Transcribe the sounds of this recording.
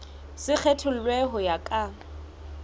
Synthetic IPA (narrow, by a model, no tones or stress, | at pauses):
sɪk͡xʰɛtʰʊl̩lweɦɔjakʼa